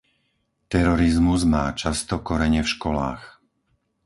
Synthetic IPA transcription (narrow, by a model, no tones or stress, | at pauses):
t̪ɛɾɔɾizmuzmaːt͡ʃast̪ɔkɔɾɛɲɛfʃkɔla̰ːx